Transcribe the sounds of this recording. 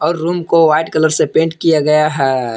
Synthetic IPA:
ɔːɾːuːmkoʋaːɪʈkələɾsepẽːɳʈkijaɡɐjaɦɛ

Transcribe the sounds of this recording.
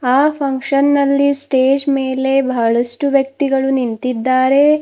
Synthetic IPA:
aːpʰɐŋkʂɐnːɐlːisʈeːd͡ʒmeːle̞bʱaːɭɐsʈuʋjɐk̚t̪iɡɐɭunint̪id̪ːaːɾe̞

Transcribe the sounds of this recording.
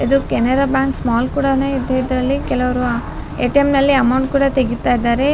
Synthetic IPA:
ɐd̪ukɛneɾabjaːŋksmaːlkuːɽɐne̞ːid̪ːeid̪ɾɐlːikɛlɐʋɐɾua | eːʈiemnɐlːiɐmɐwɳʈkuːɽɐt̪eɡit̪ːaːjid̪ːaːɾe̞

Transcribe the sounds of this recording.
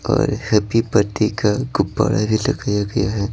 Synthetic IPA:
ɔːɾhɐpipɐɾt̪ikaɡʊbːa̰ːɽabʱilɐɡəjaɡɐjaɦɛː

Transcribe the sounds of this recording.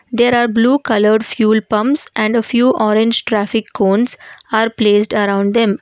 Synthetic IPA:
d̪eːɾaːɾbluːkʌləɾɖfjuːlpʌ̃mpsɛ̃ɳɖəfjuːʔɔːɾẽɲd͡ʒʈɾæːfɪkːõːnsaːɾpleːsɖəɾãʊ̃ɳɖd̪ẽm

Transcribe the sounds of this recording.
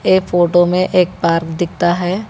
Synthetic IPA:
eːpʰoːʈomẽʔeːk̚paːɾkd̪ɪk̚ʰt̪aɦɛː

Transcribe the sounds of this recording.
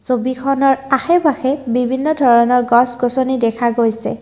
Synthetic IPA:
zobikʰɔnɔɹaxɛbaxɛbibʱinːɔdʱɔɹɔnɔɹɡɔsɡɔsonidɛkʰaɡojsɛ̰

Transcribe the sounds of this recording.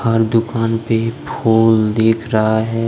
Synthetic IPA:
hɐɾd̪ʊkaːnpepʰoːld̪eːkʰɾɐɦaɦɛː

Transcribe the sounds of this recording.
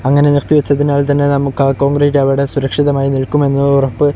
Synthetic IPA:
ɐŋːɐne̞nirt̪iʋɐt͡ɕːɐðinaːɭt̪ɐnːe̞nɐmukːɐko̞ːŋɡrɐɾɐʋiɽe̞suɾɐkʂiðɐmaːjiniɭkːume̞nːuurɐpːɨ

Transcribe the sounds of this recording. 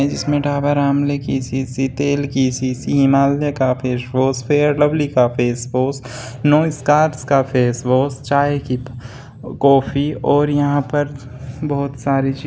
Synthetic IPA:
d͡ʒɪsmẽɖaːbaɾaːmlekisisit̪eːlkisisiɦɪmaːlekapʰeːsboːspʰeːəɾɖəblikapʰeːsboːs | noːɪskaːɾʈskapʰeːsboːst͡ʃaːeki | kɔːfʰiɔːɾjɐɦãpɐɾ | bɔːt̪saːɾit͡ʃiː

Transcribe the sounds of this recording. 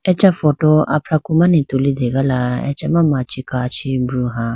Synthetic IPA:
ɛt͡ʃafɔtɔa̰pɾakumãnĩtolideɡalaɛ̰t͡ʃɛmãmat͡ʃikat͡ʃibɾuɦa

